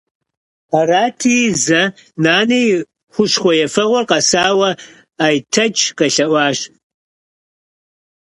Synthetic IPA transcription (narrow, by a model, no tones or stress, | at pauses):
ɐraːtʰiːzɐnaːnej | χʷʊʂχʷɔjɛfɐʁʷɔrqɐsaːwɐ | ajtʰɐt͡ʃʰʼkɐɬɐʔʷɑːʃ